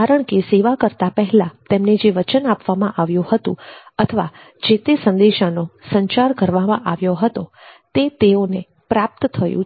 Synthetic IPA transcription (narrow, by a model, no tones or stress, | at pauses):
kaɾəɳ̃keseʋakəɾt̪apəɦɛlãt̪ɛmned͡ʒeʋət͡ʃənapʋamãʔaʋjũhət̪ṵ̃ət̪ʰəʋa | d͡ʒet̪esənd̪eʃanosəɲt͡ʃaɾkəɾʋamã̰ʔaʋjoɦət̪ot̪et̪eone | pɾap̚t̪ət̪ʰəjṵ̃